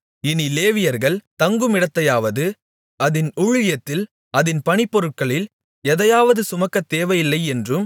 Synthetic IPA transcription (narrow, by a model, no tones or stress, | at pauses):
ɪnileːʋɪjɐɾɣɐɭt̪ɐŋɡɯmɪɽɐt̪ːɐjaːʋɐðɯ | ɐðɪnʊɻɪjɐt̪ːɪl | ɐðɪnpɐɳɪpːɔɾɯʈ̚kɐɭɪl | ɛðɐjaːʋɐðɯsʊmɐkːɐt̪ːeːʋɐjɪlːɐɪɛndrɯm